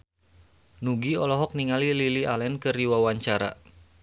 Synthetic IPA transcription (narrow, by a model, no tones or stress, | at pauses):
nuɡiɔlɔɦɔk̚niŋalililialɛnkɨriwawaɲt͡ʃaɾa̰